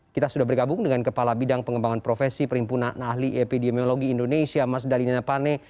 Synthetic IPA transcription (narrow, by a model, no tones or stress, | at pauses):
kit̪asudahbərɡabʊŋdəŋankəpalabidaŋpəŋəmbaŋanpɾofesipəɾimpunanaɦliʔepidimioloɡiːndonesiamas̬dalinanapanɛ